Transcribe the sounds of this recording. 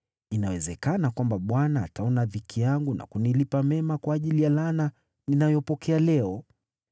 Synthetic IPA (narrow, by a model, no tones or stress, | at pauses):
inawɛzɛkanakwambaɓwana̰ːtʰaɔnavikʰijaŋɡuna̰kunilipamɛmakwaːʄilijalana | ninajɔpɔkɛalɛɔ